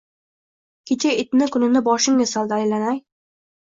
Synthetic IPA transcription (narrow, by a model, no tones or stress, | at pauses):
kʲʰet͡ʃʰaɪt̪nɪkʊnɪnɪbɒʃɪŋɪsɒlˠd̪ajlanaj